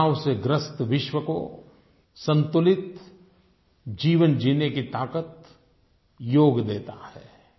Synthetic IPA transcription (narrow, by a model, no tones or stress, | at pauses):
wseɡɾəst̪ʋɪʃwəko̰ | sə̃nt̪ʊlɪt̪ | d͡ʒiːʋənd͡ʒiːnekit̪aːkət̪̚ | joːɡd̪eːt̪ahɛː